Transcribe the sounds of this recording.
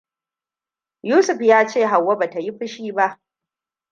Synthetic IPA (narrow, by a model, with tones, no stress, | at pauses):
juː˦sʊ˨ɸjaː˦t͡ʃeː˦˨ɦa˨wːa˦ba˨ta˨ji˦ɸɪ˦ʃiː˦ba˦ʔ